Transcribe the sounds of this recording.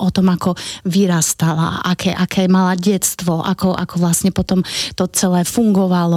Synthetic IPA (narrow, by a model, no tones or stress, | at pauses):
ʔɔt̪ɔmakɔʋiɾast̪ala̰ʔakʰɛʔakɛːmalaɟɛt͡st̪ʋɔʔa̰kɔʔa̰kɔʋlasɲɛpɔt̪ɔmt̪ɔt͡sɛlɛːfuŋɡɔʋalɔ